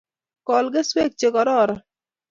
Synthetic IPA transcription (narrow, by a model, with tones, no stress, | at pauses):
kɔ˨lɡe˦swe˦k̚t͡ʃe˨kɔ˨ɾɔ˦˨ɾɔ˨